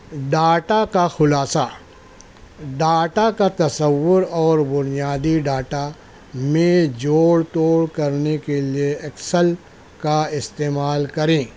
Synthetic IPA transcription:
ɖaːʈakaxʊlaːsa | ɖaːʈakat̪ɐsəwːʊɾɔːɾbʊnijaːd̪iɖaːʈa | mẽd͡ʒoːɽt̪oːɽkɐɾnekelieɐksəl | kaɪst̪eːmaːlkɐɾẽː

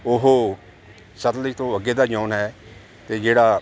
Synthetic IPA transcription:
ʊɦoː | sət̪ləiːt̪õːəɡeːd̪aːd͡ʒɔːnɦɛː | t̪eːd͡ʒeːɽaː

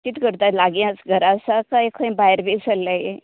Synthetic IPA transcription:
kit̪kəɾt̪alaɡiat͡sɡʱəɾasakajkʰə̃ĩbaɦjɾbesəlːaje

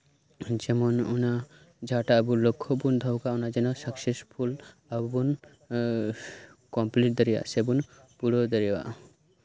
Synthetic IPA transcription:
d͡ʒɛmonuna | d͡ʒaʈaːbulokʰːobund̪ʱɔwkaunad͡ʒɛnosakʃeʃpʰul | abbun | kɔmpliʈ̚d̪eɾia̰sebun | puɽod̪eɾiwa̰

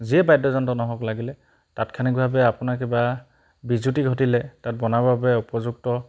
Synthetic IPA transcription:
ziɛbajdɔzɔntɔnɔɦɔklaɡilɛ | tatkʰanik̚bʱabɛapʊnak̬iba | bizutiɡʱɔtilɛtat̚bɔnabʱabɛupɔzuk̚tɔ

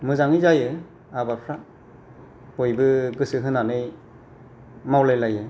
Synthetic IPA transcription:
mɯzaŋijzajɯ | abapʰɾa | ojbɯɡɯsɯɦɯnanɯj | mawlajlajɯ

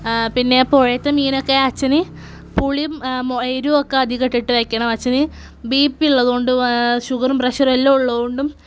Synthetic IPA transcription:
pinːe̞poɻɐjɐt̪ːemiːno̞kːeɐt͡ɕːɐni | puɭimmeɾuokːeɐd̪ʱiɣɐʈːiʈːɨʋejkʲːɐɳɐmɐt͡ɕːɐni | biːpːiɭːɐðuoɳɖuɕuɣɐɾumprɐɕɐrelːouɭːɐðoɳɖum

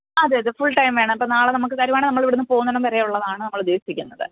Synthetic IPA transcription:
ɐðɨðɨfuɭʈɐjmʋe̞ːɳɐmɐpːoːnaːɭenɐmukːɨsaːɾjɐmaːɳɨnɐmːɐɭʋiɽunːɨpo̞ːɣunːɐnɐmpɐɾejuɭːɐðaːɳɨnɐmːɐɭud̪ːe̞ːiikʲːunːɐðɨ̰

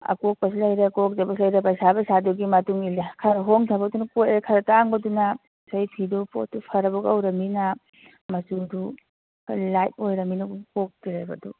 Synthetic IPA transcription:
ɐ̰kok̚pɐsilɐjɾekok̚dɐbɐsilɐjɾepajsabɐsaduɡimɐtuŋilekʰɐɾɐɦoŋtʰabɐdunɐkojekʰɐɾɐtaŋbɐdunɐ | sajpʰidupo̰t̚tːupʰɐɾɐbuɡɐwɾɐminɐ | mɐsudu | kalajt̚ojɾɐminɐɡukok̚diɾajbɐ̰dṵ

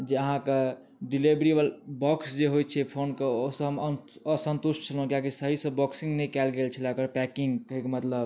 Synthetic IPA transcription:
d͡ʒeəɦãke | ɖilibɾiʋəlbɔksd͡ʒeɦojt͡ʃʰɛpʰonkeoɦsə̃ɦəməəsə̃nt̪usʈ̚t͡ʃʰəlɦũkiakisəɦisə̃bɔksiŋɡnɛkɛlɡelt͡ʃʰilakəɾpɛkiŋɡkəɦikemət̪ləb

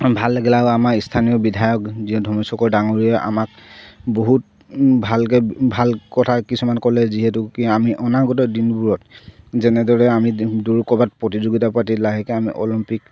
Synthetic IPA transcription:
bʱalːɛɡɛlaʊamaistʰanijɔbidʱajɔkziɔ̃dʱɔmɔsɔkɔɹdaŋoɹiɛʔa̰makboɦut̚ | bʱalkɛbʱalkɔtʰakisumankɔlɛziɦɛtʊkiamiʔɔnaɡɔtɔdinbuɹɔtzɛnɛdɔɹɛamiduɹkɔbat̚pɹɔtizoɡitapatilaɦɛkɛamiʔɔ̰limpik̚

